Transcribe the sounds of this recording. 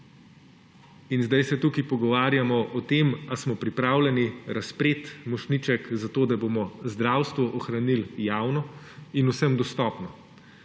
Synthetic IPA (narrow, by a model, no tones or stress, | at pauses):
inzd̪ajsɛt̪ukipɔɡɔʋaːɾjamɔʔɔt̪emasmɔpɾipɾaːwlʲɛniɾaspɾeːt̪mɔʃnit͡ʃɛkzat̪oːd̪abomɔzd̪ɾawst̪ʋɔʔɔxɾaniljaːwnɔ | inusəmd̪ɔst̪ɔːpnɔ